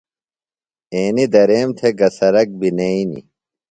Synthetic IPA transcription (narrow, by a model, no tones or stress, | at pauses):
eːnid̪ɐɾeːmt̪ʰeɡɐsɐɾɐk̚bineinḭ